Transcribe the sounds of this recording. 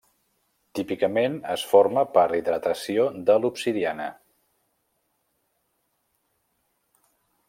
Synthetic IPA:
t̪ipikəmenəsfoɾməpəɾiðɾət̪əsiod̪əlupsiðianə̰

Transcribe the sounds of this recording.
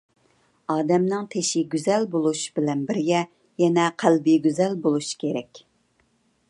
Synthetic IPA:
ɑːd̪ɛmnɨŋt̪ʰeʃɪɡʲyzɛlbolˠuʃbɪlɛnbɪɾjɛ | jɛnɛqʰælbiɡʲyzɛlbolˠuʃi̥kʲʰeɾɛkʲ

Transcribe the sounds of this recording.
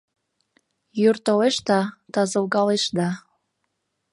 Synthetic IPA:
jyrt̪oleʃt̪ɑt̪ɑzɤ̆lɣɑleʃd̪ɑ

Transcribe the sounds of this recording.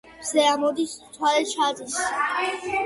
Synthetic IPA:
z̥ɛamɔd̪ist̪ʰwalɛʃʰad̪is

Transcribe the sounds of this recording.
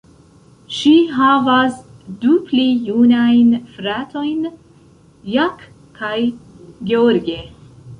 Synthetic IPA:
ʃiɦavasd̪upʰlijunajnfɾat̪ʰojn | jak | kʰaj | ɡeoɾɡe

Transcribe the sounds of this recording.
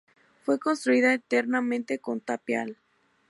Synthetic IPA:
fwe̞konst̪ɾuiðaet̪eɾnamẽnt̪e̞ko̞nt̪apja̰l

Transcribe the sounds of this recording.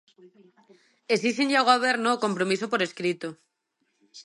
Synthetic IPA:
es̬isiɲʎaɣaβeɾnoko̞mpɾomisopoɾe̞skɾit̪o

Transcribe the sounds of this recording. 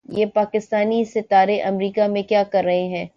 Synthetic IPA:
jeːpaːkɪst̪aːnisɪt̪aːɾeʔɐmɾiːkamẽkjaːkɐɾːɐɦeɦɛ̃ː

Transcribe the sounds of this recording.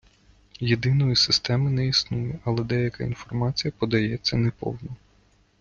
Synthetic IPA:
jed̪ɪnɔjisɪst̪ɛmɪnɛisnujʊʔɐlˠɛd̪ɛjɐkɐḭnfɔrmɑt͡sʲijɐpɔd̪ɐjɛt͡sʲːɐnɛpɔ̰wnɔ

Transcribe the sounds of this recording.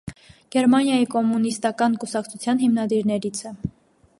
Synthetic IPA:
ɡ̥ɛɾmɑnjɑjikɔmːunist̪ɑkɑnkusɑkt͡sʰut͡sʰjɑnɦimnɑd̪iɾnɛɾit͡sʰɛ

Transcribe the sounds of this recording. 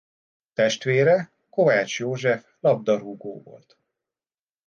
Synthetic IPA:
t̪ɛʃt̪ʋeːɾɛ | ko̞vaːt͡ʃjoːʒɛflɒb̚d̪ɒruɡo̰ːvo̰lt̪

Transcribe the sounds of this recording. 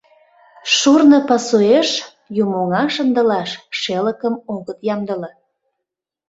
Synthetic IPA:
ʃurnəpɑsoeʃ | jumoŋɑʃənd̪ə̆lɑʃʃeləkəmoɣət̪jɑmd̪əlɑ

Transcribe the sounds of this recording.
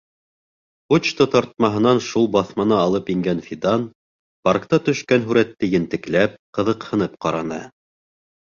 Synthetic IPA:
put͡ɕt̪ot̪ɑɾt̪̚mɑɦɤ̆nɑnʃulˠbɑθmɑnɑːlˠɤpiŋɡænfʲid̪ɑn | pɑɾkt̪ɑt̪ɵ̆ʃkænɦʉɾæt̪ːɘjɘ̆nt̪ɘ̆klæp̚qɤ̆ðɤ̆qhɤ̆nɤp̚qɑɾɑnɤ̰

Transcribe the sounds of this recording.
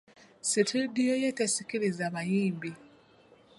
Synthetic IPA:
sitʰidijojetesikiɾizaβajiːmbi

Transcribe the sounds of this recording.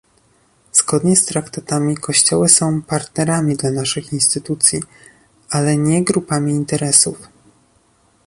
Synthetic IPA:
z̥ɡɔd̪ɲɛst̪ɾakt̪at̪amʲikɔɕt͡ɕɔwɘsɔ̃w̃paɾt̪nɛɾamʲid̪lanaʂɘxinst̪ɘt̪ut̪sʲji | ʔalɛɲɛɡɾupamʲiːnt̪ɛɾɛsuf

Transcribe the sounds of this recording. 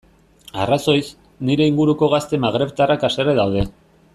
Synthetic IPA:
araso̞js | niɾe̞iŋɡuɾuko̞ɣast̪e̞maɣɾe̞βt̪arakaseɾeðawðe̞

